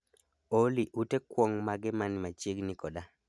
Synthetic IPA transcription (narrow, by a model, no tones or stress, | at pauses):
oliʔutekwɔŋmaɡɪmanmat͡ʃeɡnɪkɔda